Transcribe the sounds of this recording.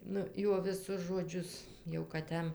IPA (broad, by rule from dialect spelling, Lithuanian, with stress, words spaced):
ˈnʊ ˈjuɔ ʋʲɪˈsʊs ʒoːˈd͡ʒʲʊs jɛʊ kɐt ˈjɛm